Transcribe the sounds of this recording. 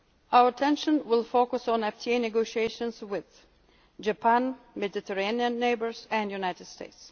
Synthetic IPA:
aʊə˞tʰɛ̃nʃə̃nwɪlˠfokəsɔ̃n̩ɛftʰienɛɡoʃieɪʃə̃nswɪð | d͡ʒəpʰæ̃nmɛd̪ɪt̪ʰəɹẽɪniə̃nːeɪbə˞sæ̃njunaɪtɨdsteɪts

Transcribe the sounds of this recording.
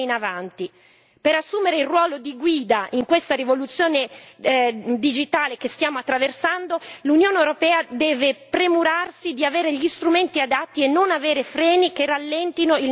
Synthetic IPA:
inavant̪i | peɾasːuːmeɾeilrwɔːlod̪iɡwiːd̪aʔiŋkwest̪aɾivolut̪sːjoːne | d̪id͡ʒit̪aːlekest̪jaːmoat̪ːɾaversand̪olunjoːneewɾopɛːad̪ɛːvepɾemuɾarsid̪iaveːɾeʎist̪ɾument̪iad̪at̪ːienːonaveːɾefɾɛːnikerːalːɛnt̪inoil

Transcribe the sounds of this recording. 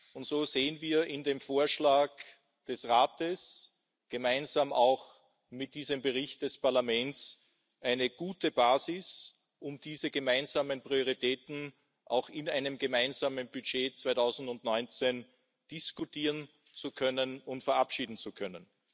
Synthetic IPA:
ʊntz̥oːz̥eːənviːɐʔɪndeːmfoːɐʃlaːk | d̥ɛsʁaːtəs | ɡ̥əmaɪnzaːmaʊx | mɪt̚d̥iːzəmbəʁɪçt̚d̥ɛspaɐlamɛnts | ʔæɪnəɡ̥uːtəb̥aːzɪs | ʔʊmd̥iːzəɡəmaɪnzaːmənpʁ̥ioʁ̞itʰɛːtn̩ | ʔa̰ʊxɪnaɪnəmɡəmaɪnzaːmənb̥yt͡ʃeːt͡sv̥aɪtʰaʊzn̩dʊntnɔʏnt͡sen | d̥ɪskutiːʁən | t͡sukʰœnənʊntfɛɐʔapʃiːdn̩t͡sukʰœnən

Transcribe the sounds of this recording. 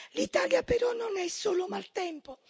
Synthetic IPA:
lit̪aːljapɛɾɔnːɔnɛsːoːlʊmalt̪ɛmpʊ

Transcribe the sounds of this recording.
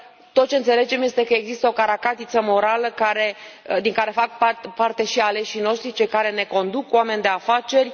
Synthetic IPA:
t̪o̞t̪̚t͡ʃeɨnse̞le̞d͡ʒe̞mje̞st̪e̞kəeɡzist̪əo̞kaɾakat̪it̪səmo̞ɾaləkaɾe̞ | d̪iŋkaɾe̞fak̚papart̪e̞ʃiale̞ʃino̞ʃt̪ɾit͡ʃe̞kaɾe̞ne̞ko̞nd̪ukowame̞nʲd̪e̞afat͡ʃe̞rʲ

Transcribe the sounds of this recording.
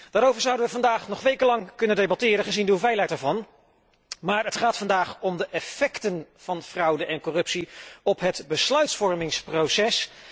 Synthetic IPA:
d̥aːɾowvəɹzʌwdənʋəvɑndaːχnɔχʋejkəlɑŋkɵnəndejbɑtɪːɾənχəzindəuvɛjlɛjtaːɹvɑn | maːɹətχaːtfɑndaːχɔmdəʔɛfɛktənv̥ɑnv̥rɑwdəʔɛnkɔrɵpsiɔpɦətbəslœɥtsfɔɹmɪŋsprowsɛs

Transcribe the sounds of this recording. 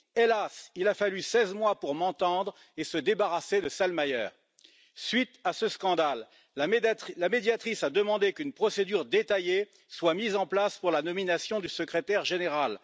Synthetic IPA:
elasilafalysɛzmwapuʁmɑ̃t̪ɑ̃d̪ʁ | esəd̪ebaʁased̪əsalmajœːʁ | sɥit̪asəskɑ̃d̪al | lamed̪jat̪χisad̪əmɑ̃d̪ekʲynpχɔsed̪yʁd̪et̪aje | swamizɑ̃plaspuʁlanɔminasjɔ̃d̪ysəkχet̪ɛʁʒeneʁal

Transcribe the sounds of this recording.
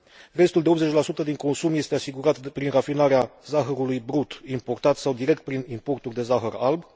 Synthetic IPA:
re̞st̪uld̪e̞op̪ze̞t͡ʃʲlasut̪əd̪iŋko̞nsumje̞st̪easiɡuɾat̪pɾinrafinaɾeazaxəɾulujbɾut̪impo̞rt̪at̪sawd̪iɾe̞k̚t̪̚pɾinimpo̞rt̪urʲd̪e̞zaxəralb

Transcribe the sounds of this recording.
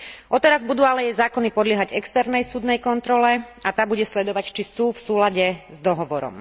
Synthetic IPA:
ʔɔt̪ɛɾazbud̪uːalɛjɛjzaːkɔnipɔd̪lɪɛɦaɟɛkst̪ɛɾnɛjsuːd̪nɛjkɔnt̪ɾɔlɛ | at̪aːbuɟɛslɛd̪ɔʋact͡ʃisuːfsuːlaɟɛzd̪ɔɦɔʋɔɾɔ̰m

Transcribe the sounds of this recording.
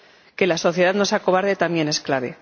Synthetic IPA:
ke̞laso̞θje̞ðaðnosako̞β̞aɾðet̪amje̞ne̞sklaβe̞

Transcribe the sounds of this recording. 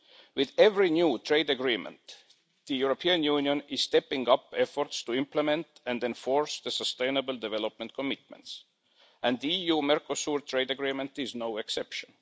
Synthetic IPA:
wɪðɛvɹinjuːt̪ʰɹ̥eɪd̪aɡɹĩmə̰̃nt̪ | ðəjuɹopʰiə̃njuːnjə̃nɪz̥st̪ɛpɪ̃ŋɡʌpɛfɔɹtst̪uɪ̃mpləmɛ̃nt̪æ̃nd̪ẽnfɔɹsðəsəst̪ẽɪnəbəl̩d̪ɛvɛlop̚mə̃nt̪̚kʰomɪt̪̚mə̰̃nts | ʔæ̃nd̪ðiijuːmɛɹkosuɹt̪ʰɹ̥eɪd̪aɡɹĩːmə̃nt̪ɪznoʊɛksɛpʃə̃n

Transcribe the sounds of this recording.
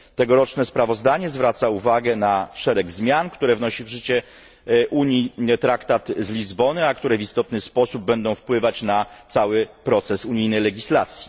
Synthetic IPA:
t̪ɛɡɔɾɔt͡ʂnɛspɾavɔzd̪aɲɛzvɾat̪sauvaɡɛnaʂɛɾɛɡzmʲjankt̪uɾɛvnɔɕivʐɘt͡ɕɛ | ʔuɲit̪ɾakt̪at̪zlʲizbɔnɘakt̪uɾɛvist̪ɔt̪nɘspɔsub̚ːɛnd̪ɔ̃w̃fpwɘvat͡ɕnat̪sawɘpɾɔt̪sɛsuɲijnɛjlɛɡʲislat̪sʲji̥

